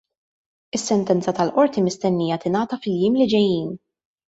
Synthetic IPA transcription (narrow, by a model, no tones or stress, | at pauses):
ɪsːɛnt̪ɛnt͡sɐt̪ɐlʔɔɾt̪imɪst̪ɛnːijɐt̪ɪnɐːt̪ɐfɪljɪːmlɪd͡ʒɛjːiːn